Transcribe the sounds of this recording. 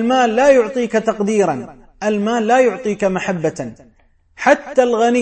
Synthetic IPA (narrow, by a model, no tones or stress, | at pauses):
lmaːlːaːjʊʕt̪ˤiːkat̪ɑqd̪iːɾˤɑn | ʔalmaːlːaːjʊʕt̪ˤiːkamaħabːa | ħat̪ːalɣani